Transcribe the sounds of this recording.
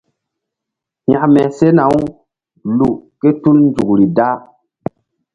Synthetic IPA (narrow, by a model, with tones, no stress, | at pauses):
hjã˨mɛ˨se˦na˨wu˦ | lu˨ke˦tu˦lnd͡ʒu˨kɾi˨da˦